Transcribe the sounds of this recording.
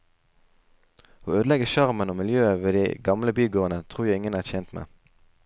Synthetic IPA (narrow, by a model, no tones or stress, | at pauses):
oːøːd̪lɛɡəʃɑʁmənoːmɪljøːəʋeːd̪iɪɡɑmləbyːɡoːʁənət̪ʰʁuːjæɪɪŋənæːʁçɛnt̪mḛː